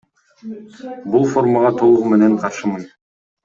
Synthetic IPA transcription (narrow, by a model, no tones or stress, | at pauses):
bulˠfo̞rmaʁɑt̪ʰo̞lˠuʁume̞ne̞ɴqʰɑɾʃɯmɯn